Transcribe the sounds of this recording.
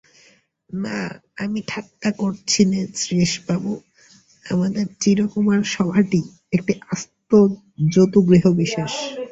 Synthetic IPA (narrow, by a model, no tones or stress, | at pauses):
naamiʈʰakːakoɾt͡ɕʰinesɾeʃbabo | a̰mad̪eɾt͡ɕiɾokumaɾʃɔbʱaʈi | ek̚ʈiʔast̪o | d͡ʑot̪uɡɾiɦobiʃaʃ